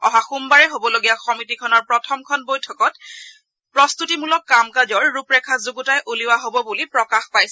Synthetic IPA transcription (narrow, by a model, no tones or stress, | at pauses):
ɔɦaxumbaɹɛɦobɔloɡijaxɔmitikʰɔnɔɹpɹɔtʰɔmkʰɔnbojtʰɔkɔt | pɹɔst̪utimulɔkːamkad͡ʒɔɹːupɹɛkʰazuɡutajʔuliwaɦobɔbulipɹɔkaxpajsɛ